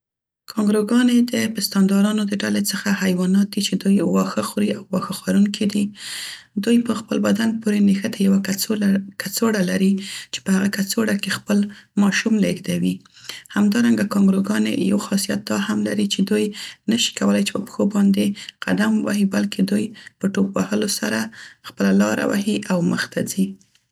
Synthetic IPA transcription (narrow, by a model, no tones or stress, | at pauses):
kʰɑŋɡɾoɡɑned̪əpɪst̪ɑnd̪ɑɾɑnod̪əɖalet͡səxahajwɑnɑt̪̚d̪it͡ʃed̪ujwɑxəxuɾiawːɑxaxwaɾunkʰid̪i | d̪ujpəxpəlbad̪anpoɾenexət̪ʰajawa | kat͡soɽalaɾit͡ʃe̥pəhaɣakat͡soɽakexpəlmɑʃumleɡd̪awi | hamd̪ɑɾaŋɡakɑŋɡɾoɡɑnḛja̰wxɑsijat̪̚d̪ɑhamlaɾit͡ʃed̪ujnaʃi̥kawəlajt͡ʃe̥pəpə̥xobɑnd̪eqa̰d̪amwa̰hibalked̪ujpəʈok̚wahəlosaɾaxpəlalɑɾa̰wa̰hiʔawməxt̪ʰazi